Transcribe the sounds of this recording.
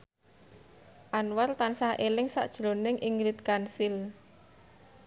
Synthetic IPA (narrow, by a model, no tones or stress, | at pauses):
ʔanwart̪ansahʔelɪŋsa̰ʔd̥ʒ̥lonɪŋʔiŋɾit̪̚kansil